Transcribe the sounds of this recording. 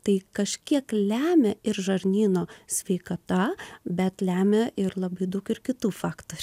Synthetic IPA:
t̪ɐɪkɐʃʲkʲiɛklʲæːmʲɛɪɾʒɐɾʲnʲiːnoːsʲʋʲɛɪkɐt̪ɐbʲɛt̪lʲæːmʲeʔɪɾlˠɐbɐɪd̪ɐʊkɪɾkʲɪt̪uːfɑːkt̪oːɾʲu

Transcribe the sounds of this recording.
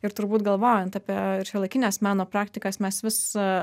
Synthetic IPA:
ɪɾt̪ʊɾbuːt̪ɡɐlˠʋoːjɛnt̪ɑpʲiɛɪɾʃʲiɛlˠɐɪkʲɪnʲeːsmʲæːnoːpɾɑːkt̪ʲɪkɐsmʲɛsʋʲɪs

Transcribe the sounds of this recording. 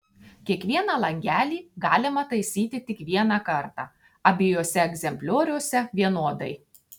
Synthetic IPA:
kʲiɛkʋʲiɛnɑːlˠɐŋʲɡʲæːlʲiːɡɑːlʲɪmɐt̪ɐɪsʲiːt̪ʲɪt̪ʲɪkʋʲiɛnɑːkɐɾt̪ɑ̰ː | ɐbʲɪjoːsʲɛɛɡzʲɛmʲpʲlʲoːɾʲuɔsʲɛʋʲiɛnoɔd̪ɐɪ

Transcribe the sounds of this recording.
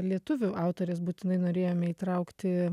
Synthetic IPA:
lʲiɛt̪ʊʋʲʊʔɑˑʊt̪oːɾʲesbuːt̪ʲɪnɐɪnoːɾʲeːjoːmʲɛiːt̪ɾɐʊkt̪ʲɪ

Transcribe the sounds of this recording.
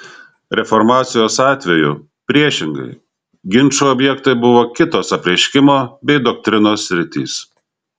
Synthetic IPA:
ɾʲɛfɔɾmɑːt̪sʲɪjoːsɑːt̪ʲʋʲɛjʊ̰ | pʲɾʲiɛʃʲɪŋɡɐ̰ɪ | ɡʲɪnʲˑt͡ʃuɔbʲjɛkt̪ɐɪbʊʋoːkʲɪt̪oːsɐpʲɾʲɛʃʲkʲɪmoːbʲɛɪd̪ɔk̚t̪ʲɾʲɪnoːsʲːɾʲɪt̪ʲḭːs

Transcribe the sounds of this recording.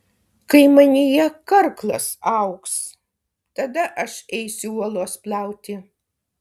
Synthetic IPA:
kɐɪmɐnʲɪjɛkɐɾklˠɐ̰sɐʊks | t̪ɐd̪ɐʔɐʃɛɪsʲuuɔlˠoːspʲlʲˠɛʊt̪ʲɪ

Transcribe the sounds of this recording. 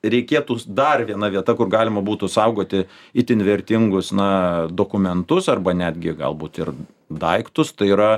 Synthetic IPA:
ɾʲɛɪkʲeːt̪uːd̪ɐrʋʲiɛnɐʋʲiɛt̪ɐkʊrɡɑːlʲɪmɐbuːt̪ʊsɐʊɡoːt̪ʲɪ | ɪt̪ʲɪnʲʋʲɛɾʲt̪ʲɪŋɡʊsnɐd̪oːkʊmʲɛnt̪ʊsɐrbɐnʲæːd̪ʲɡʲɪɡɐ̰lˠbuːt̪ɪr | d̪ɐɪkt̪ʊst̪ɐɪiːɾɐ

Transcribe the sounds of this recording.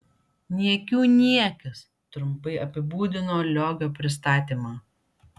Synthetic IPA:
nʲiɛkʲuːnʲiɛkʲɐs | t̪ɾʊmpɐɪʔɐpʲɪbuːd̪ʲɪnoːlʲoːɡʲoːpʲɾʲɪs̬t̪ɑːt̪ʲiːmɑː

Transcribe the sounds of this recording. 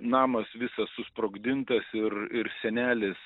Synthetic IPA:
nɑːmɐsʋʲɪsɐsʊspɾoːɡd̪ʲɪnt̪ɐsɪrɪɾsʲɛnʲæːlʲɪs

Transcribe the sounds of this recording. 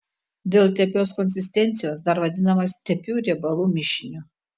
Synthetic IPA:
d̪ʲɛlˠt̪ʲɛpʲoːskɔnʲsʲɪsʲt̪ʲɛnʲt̪sʲɪjoːsd̪ɐɾʋɐd̪ʲɪnɐmɐst̪ʲɛpʲuːɾʲɛbɐlˠuːmʲɪʃʲɪnʲu

